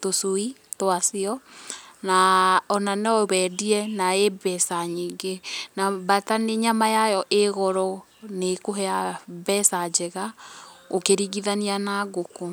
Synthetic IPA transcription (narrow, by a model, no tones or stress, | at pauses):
tosoitwasiɔnaɔnanɔβɛdiɛnaebɛsaɲiːɡenabataneɲamajajɔʔeɣɔɾɔ | nekoɦɛabɛsad͡ʒɛɣaokeɾiɣiðanianaɣokɔ